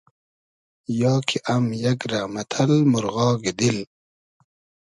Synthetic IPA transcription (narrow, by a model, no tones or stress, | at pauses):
jɑːkʰiʔamjakɾamɐt̪ʰɐlmʊɾɣɑːɡid̪il